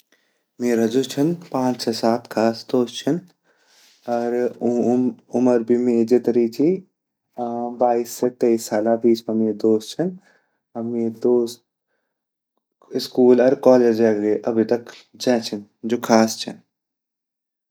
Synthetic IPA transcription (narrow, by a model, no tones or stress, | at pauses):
meːɾad͡ʒoːt͡ʃʰɐnpãːt͡ʃsesaːt̪kʰaːsd̪oːst͡ʃʰɐn | ɐɾ | ʊməɾbʱimeːd͡ʒɪt̪ɾiːt͡ʃʰi | baːisːet̪eisːaːlabiːt͡ʃmẽmeːd̪oːst͡ʃʰɐn | ɐmeːd̪oːst̪ | ɪskuːlɐɾkɔːleːd͡ʒɛːɡɡeʔɐbʱit̪ɐk | d͡ʒɛ̃ːt͡ʃʰɐnd͡ʒoːkʰaːst͡ʃʰɐ̰n